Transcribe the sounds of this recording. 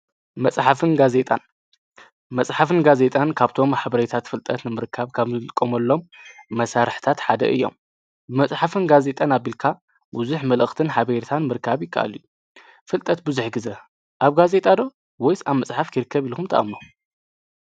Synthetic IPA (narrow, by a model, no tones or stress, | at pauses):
mɐt͡sʼħafɨnɡaze̞t̪ʼa̰n | mɐsʼħafɨnɡaze̞t̪ʼankʰaβt̪ʰo̞mħaβɐɾet̪ʰat̪fɨlt̪ʼɐt̪nɨmɨɾɨkʰːaβkʰaβzɨlʼɨkʼːomɐlːo̞mmɐsaɾħt̪ʰat̪ħad̪ɐ̰ʔɨ̰jːo̞̰m | bɨmɐsʼħafɨnɡaze̞t̪ʼanaβilkʰa | buzuħmɐlɨxt̪ʰɨnħaβeɾt̪ʰanmɨɾkʰːaβjɪkʰːa̰ʔa̰liju | fɨlt̪ʼɐt̪̚bɨzuħɡɨzɐ | ʔaβɡaze̞t̪ʼad̪o̞ | wɔjsaβmɐsʼħafkʰiɾɨkʰːɐβilkʰumt̪ʰɐʔa̰mnu